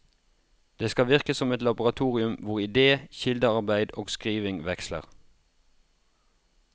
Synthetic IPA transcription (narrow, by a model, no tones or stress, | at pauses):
d̪̥eːskɑʋɪʁkəsɔmɛt̪lɑbʊʁɑt̪ʰuːʁɪʉmʋʊʁɪd̪eːçɪld̪əɑʁbæɪd̪oːɡskʁiːʋɪŋʋɛkslə̰ʁ